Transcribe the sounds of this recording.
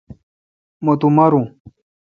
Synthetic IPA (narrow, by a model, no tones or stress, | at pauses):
mot̪umɐɾũ